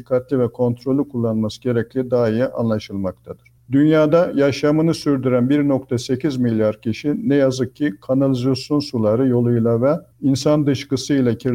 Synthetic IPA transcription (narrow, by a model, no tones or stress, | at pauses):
ikʰːat̪lʲivɛkʰo̞nt̪ʰɾo̞lʲˠukʰulˠːanlmasɯɟe̞ɾɛclʲid̪aːijaʔa̰nlˠaʃɯlˠmak̚t̪ʰad̪ɯɾ̥d̪ynjaːd̪ajaʃamɯnɯsyɾd̪yɾænbiɾno̞kt̪ʰase̞cʰizmilʲjaɾcʰiʃinɛjazɯk̚cʰːikʰanalʲizasjo̞nsulˠaɾɯjo̞lˠujlˠavɛinsand̪ɯʃkɯsɯilʲˠacʰiɾ